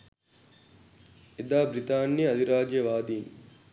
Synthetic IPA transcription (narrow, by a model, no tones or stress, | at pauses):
id̪aːbɾit̪aːnːiɐd̪ʱiɾaːd͡ʒjɐʋaːd̪iːn